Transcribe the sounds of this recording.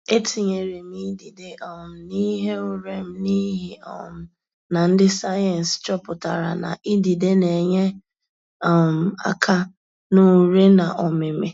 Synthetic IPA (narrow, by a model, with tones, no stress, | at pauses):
e˦ti˨ɲe˨ɾe˨m̩i˦di˨de˨ɔ˨m̩˨ni˦ɦe˦ʊ˨ɾe˦m̩˨ni˦ɦi˦ɔ̰˨m̩˨ | na˨n̩˦dɪ˦sa˦jɛ˨n̩˨st͡ʃɔ˦pʊ˨ta˨ɾa̰˨na̰˨ʔi˦di˨de˦ne˨ɲe˦ | ɔ˨m̩˨a̰˦kʰa˦ | nu˦ɾe˦na˨ʔɔ˨mɪ˨me˨